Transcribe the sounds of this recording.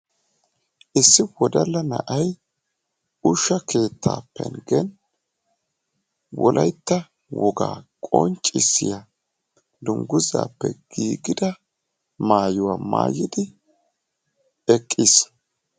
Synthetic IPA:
ʔɪsːɪwɔd̪ɐlːɐnɐ̰ʔɐj | ʊʃːɐke̞ːt̪ːa̰ːpʰːɛ̰nɡɛn | wɔlʔɐjt̪ːɐ | wɔɡa̰ːkʼɔ̰nt͡ʃʼːɪsːɪja | d̪ʊŋɡʊza̰ːpːɛɡ̥iːɡɪd̪ɐ | maːjʊwaːma̰ːjɪd̪ɪ | ɛkʼːɪs

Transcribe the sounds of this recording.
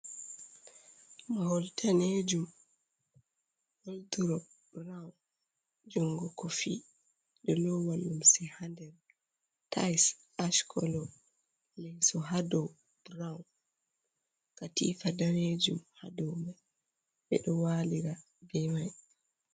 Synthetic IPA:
mahɔltʰaned͡ʒum | wɔlduɾɔ | ɾawn | d͡ʒuŋɡɔkɔfi | ɗɔlɔwalumsɛhandɛɾ | tajs | aʃkʰɔ̰lɔ | lɛsɔɦadɔw | ɾawn | katḭːfadaned͡ʒumha̰dɔma | ɓɛ̰ɗɔwaliɾa | bɛmaj

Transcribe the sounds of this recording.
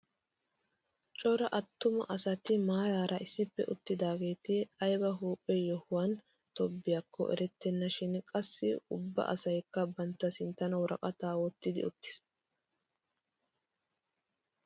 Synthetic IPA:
t͡ʃʼɔɾɐʔɐt̪ːʊmɐ̰ʔɐsɐt̪ɪmaːjaːɾʔɐʔɪsːɪpːɛʔʊt̪ːɪd̪aːɡe̞ːt̪ɪɐjbɐɦuːpʼːɛjɔhʊwɐn | t̪ɔbːɪjakʰːɔ̰ʔɛ̰ɾɛt̪ːɛnːɐʃɪnkʼɐsːɪʊbːɐ̰ʔɐ̰sɐjkːɐbɐnt̪ːɐsɪnt̪ːɐnɐwɔɾʔɐ̰kʼɐt̪aːwɔt̪ːɪd̪ɪ̰ʊ̰t̪ːɪ̥s

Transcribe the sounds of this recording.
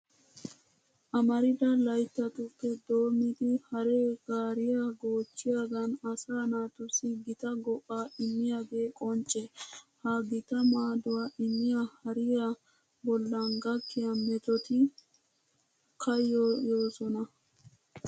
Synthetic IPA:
ʔɐmɐɾɪd̪ɐlɐjt̪ːɐt̪ʊpːɛd̪oːmɪd̪ɪhɐɾɛɡ̥aːɾɪjaɡoːt͡ʃːɪjaːɡɐnɐsaːnaːt̪ʊsɪɡɪt̪ɐɡɔʔːaːɪmːɪjaɡeːkʼɔnt͡ʃʼːɛhɐɡɪt̪ɐmaːd̪ʊwaʔɪmːɪjahɐɾɪja | bɔlːɐnɡɐkːɪjɐmɛt̪ɔt̪ɪ | kʰɐjːojoːsɔnɐ

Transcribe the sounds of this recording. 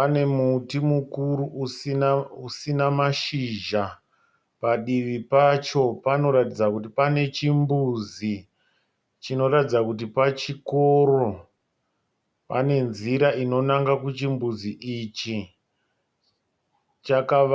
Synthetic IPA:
ane̞mutimukuɾuuiusinamaʃiʒa | paɗiʋipat͡ʃo̞pano̞ɾatid͡zakut̬ipane̞t͡ʃimbuzi | t͡ʃino̞ɾatid͡zakut̬ipat͡ʃikoɾo̞ | pane̞nziɾaino̞naŋɡakut͡ʃimbuziʔit͡ʃi | t͡ʃaka

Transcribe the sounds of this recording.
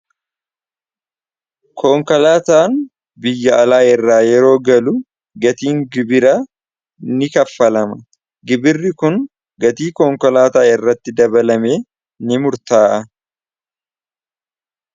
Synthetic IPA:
kʰoːŋkɐlaːt̪aːn | bɪjːɐːlaːɛrːaːjɛɾo̞ːɡɐlʊ | ɡɐt̪iːŋɡɪbɪɾa | nɪkɐfːɐlɐmɐ | ɡɪbɪrːɪkʊn | ɡɐt̪iːkoːŋkɔlaːt̪aːɪrːɐt̪ːɪd̪ɐbɐlɐme̞ː | nɪmʊɾt̪aːʔɐ

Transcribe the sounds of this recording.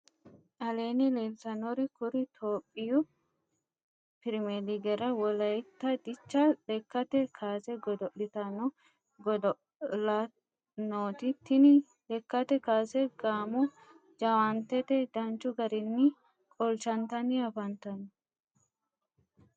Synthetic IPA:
ʔɐle̞ːnɪleːlt̪ɐnɔɾɪkʊɾɪt̪ʰoːpʼːɪjʊ | pɪɾmeliɡɛɾɐwɔlɐjɛt̪ːɐd̪ɪt͡ʃːɐɗɛkːɐt̪ɛkʰaːsɛɡɔd̪ɔʔɪt̪ɐnɔ | ɡɔd̪ɔ | lɐ | noːt̪ɪt̪ːɪnɪ | lɛkːɐt̪ɛkaːsɛɡ̥aːmʊ | d͡ʒɐwɐnt̪ɛt̪ɛd̪ɐnt͡ʃːʊɡɐɾɪnːɪ | kʼɔlt͡ʃɐnt̪ɐnɪɐfɐnt̪ɐn

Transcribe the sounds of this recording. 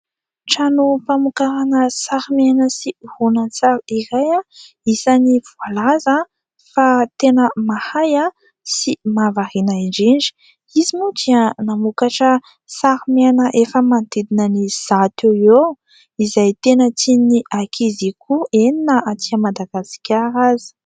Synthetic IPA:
ʈ͡ʂanupamukaɾanəsaɾimanəsihunant͡saɾiɾaja | isanivualaza | fat̪enəmahaja | simavaɾinaiɳɖ͡ʐiɳɖ͡ʐi̥ | izimutianamukaʈ͡ʂə | saɾimanəʔefəmant̪ed̪inəniz̥at̪eie | izajt̪enət͡siniʔakʰizikʰueninəat͡s̪iamad̪aɡ̥asi̥kʲaɾazi̥

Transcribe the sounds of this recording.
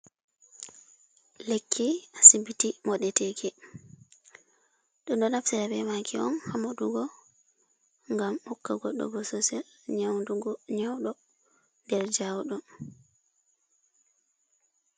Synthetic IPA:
lekʰːiasibitimɔɗɛtekɛ | ɗɔndɔnafsiɾabɛmakʰiɔ̰nhamaɗuɡɔ | ŋɡamhɔkːaɡɔ̰ɗːɔ̰ɡɔsɔsɛl | ɲawnduɡɔɲawɗɔ | ndɛɾd͡ʒawɗɔ

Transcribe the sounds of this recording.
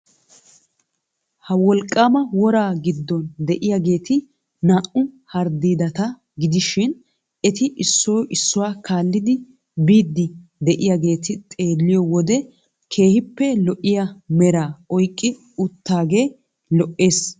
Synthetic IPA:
hɐwɔlkʼːaːmɐwɔɾaːɡɪd̪ːɔnd̪ɛʔɪjaɡe̞ːt̪ɪ | naːʔʊ | hɐɾd̪iːd̪ɐt̪ɐ | ɡɪd̪ɪʃɪn | ɛt̪ɪʔɪsːoːʔɪsːʊwaːkʰaːlːɪd̪ɪ | biːd̪ːɪd̪ɛʔɪjaɡe̞ːt̪ɪt̪ʼe̞ːlːɪjɔwɔd̪ɛ | kʰe̞ːhɪpːɛlɔʔɪjamɛɾaːɔjkʼːɪ | ʊt̪ːaːɡe̞ː | lɔʔːe̞ːs

